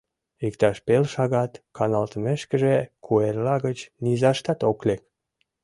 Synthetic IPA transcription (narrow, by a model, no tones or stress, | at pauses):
ikt̪ɑʃpelʃɑɣɑt̪kɑnɑlt̪əmeʃkə̆ʒekʰuerlɑɣət͡ɕnizɑʃt̪ɑt̪oklek̚